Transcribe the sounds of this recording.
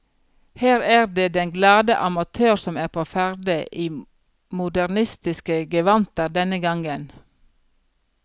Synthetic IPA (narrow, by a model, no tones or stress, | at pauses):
hæːɾæːɾd̪eːd̪ɛŋɡlɑːd̪əʔɑmɑt̪ʰøːɾsɔmæːpʰoːfæɾd̪əʔiː | mʊd̪æʁnɪst̪ɪskəɡəʋɑnt̪əɾd̪ɛnəɡɑŋən